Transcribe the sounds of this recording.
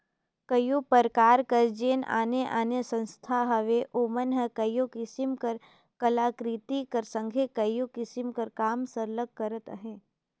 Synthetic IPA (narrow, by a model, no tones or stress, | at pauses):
kəjopəɾkaːɾkəɾd͡ʒeːna̰ːneʔa̰ːnesə̃nst̪ʰaɦɐʋeʔoːmənɦəkəjokɪsɪmkəɾ | kəlaːkɾit̪ikəɾsə̃ŋɡʱekəjokɪsimkəɾkaːmsəɾləɡ̚kəɾət̪əɦẽː